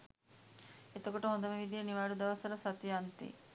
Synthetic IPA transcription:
et̪ɐkoʈəɦõnd̪ɐmeʋid̪ijeniʋaːɖud̪ɐʋɐsɐlɐsɐt̪ijɐnt̪ḭ

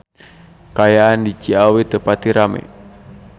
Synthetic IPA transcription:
kajaːndit͡ʃiawit̪əpat̪iɾamɛ̰

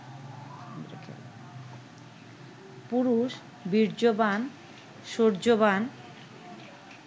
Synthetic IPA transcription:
kʰ | puɾuʃ | biɾd͡ʑoban | ʃoɾd͡ʑoban

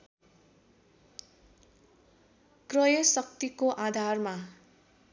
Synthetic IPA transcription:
krʌjʌsʌk̚t̪ikoʔad̪ʱarma

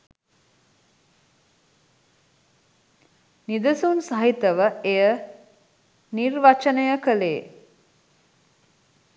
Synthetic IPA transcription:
nid̪əsunsaɦit̪əʋəejə | nirʋat͡ʃənəjəkəleː

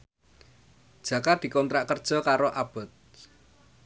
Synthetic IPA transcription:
d̥ʒ̥ä̤kad̪̥i̤kɔnt̪ɾaʔkərd̥ʒ̥ɔ̤kaɾoʔab̥ə̤t̪̚

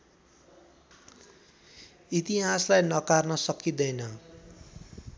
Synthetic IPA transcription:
it̪iɦaslajnʌkarnʌsʌkid̪ʌjnʌ

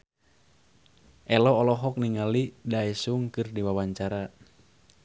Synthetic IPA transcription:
ʔɛlɔːlɔɦɔk̚niŋalidaɛsuŋkɨrdiwawaɲt͡ʃaɾa

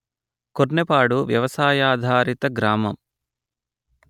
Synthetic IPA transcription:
koɾnepaːɽuʋjɐʋɐsaːjaːd̪ʱaːɾit̪ɐɡɾaːmɐm

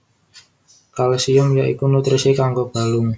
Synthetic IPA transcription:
kalsiʊmjaʔḭkunut̪ɾisikaŋɡob̥a̤lʊŋ

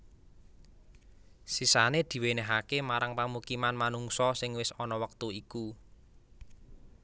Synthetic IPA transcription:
sisaned̪̥i̤weneɦakemaɾaŋpəmukimanmanuŋsɔsɪŋwɪsɔnɔwək̚t̪uiku

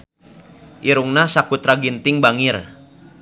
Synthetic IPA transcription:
ʔiɾuŋnasakut̪ɾaɡint̪ɪŋbaŋir

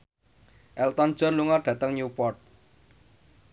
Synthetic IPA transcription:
ʔɛlt̪ɔnd̥ʒ̥ɔ̤nluŋaɖ̥ä̤t̪əŋɲupɔrt̪̚

